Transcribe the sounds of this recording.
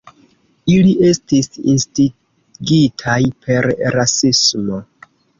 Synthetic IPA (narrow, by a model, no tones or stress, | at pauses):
iliʔe̞stisḭnsti | ɡitʰajpʰe̞ɾɾasismo̞